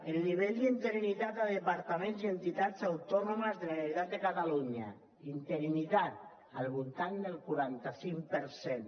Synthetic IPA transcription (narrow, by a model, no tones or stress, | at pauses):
elniβ̞eʎd̪int̪eɾinit̪at̪aðepaɾt̪amẽnzient̪it̪at͡sawt̪ɔnomazðeleβeɾit̪at̪̚d̪ekat̪aluɲa̰ | int̪eɾinit̪at̪̚ | alβult̪and̪elkuɾant̪asiŋpeɾsen